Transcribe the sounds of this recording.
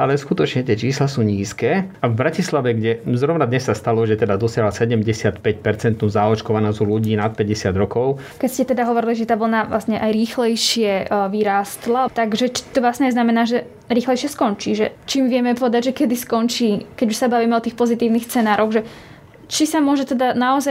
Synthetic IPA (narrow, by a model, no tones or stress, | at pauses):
ʔalɛskut̪ɔt͡ʃɲɛt̪ɪɛt͡ʃiːslasuːɲiːskɛːavbɾacislaʋɛɡɟɛzɾɔʋnad̪ɲɛsːast̪alɔʒɛt̪ɛd̪ad̪ɔsɪaɦlasɛɟɛmɟɛsɪat̪pɛc̚pɛɾt͡sɛnt̪nuːzaɔt͡ʃkɔʋanɔzɔluɟiːnat̪̚pɛɟɛsɪad̪ɾɔkɔʊ | kɛcscɛt̪ɛd̪aɦɔʋɔɾiliʒɛt̪aːʋl̩naʋla̰sɲɛʔajɾiːxlɛjʃɪɛʋiɾaːst̪lat̪aɡʒɛt͡ʃi̥t̪ɔʋlasɲɛznamɛnaːʒɛ | ɾiːxlɛjʃɪɛskɔnt͡ʃiːʒɛt͡ʃiːmʋɪɛmɛpɔʋɛd̪aɟʒɛkɛd̪iskɔnt͡ʃiːkɛɟuʃsabaʋiːmɛɔt̪iːxpɔzit̪iːʊnixst͡sɛnaːɾɔɣʒɛ | t͡ʃisamʊɔʒɛt̪ɛd̪anaɔzaj